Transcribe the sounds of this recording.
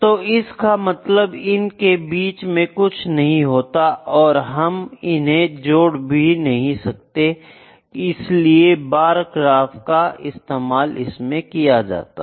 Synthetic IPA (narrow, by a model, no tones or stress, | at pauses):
t̪oːɪskamɐt̪ləbɪnkebiːt͡ʃmẽkʊt͡ʃʰnɐɦĩɦoːt̪aʔɔːɾɦɐmɪnɦẽd͡ʒoːɽbʱinɐɦĩsɐk̚t̪e | ɪsliebaːɾkɾaːfkaɪst̪eːmaːlɪ̰smẽkijad͡ʒa̰ːt̪aː